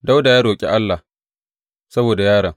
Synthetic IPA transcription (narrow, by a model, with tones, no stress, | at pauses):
da˦wda˨jaː˦ɽoː˨kʲʼḛ˦ʔa˦lːa˨ | sɐ˦boː˨da˨jaː˦ɽɐ˨ŋ